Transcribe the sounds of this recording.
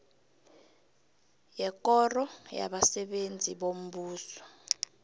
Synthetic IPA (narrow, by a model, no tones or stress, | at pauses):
jɛkʼɔrɔja̰ɓasɛɓend͡zʱiɓom̩ɓuːsɔ̥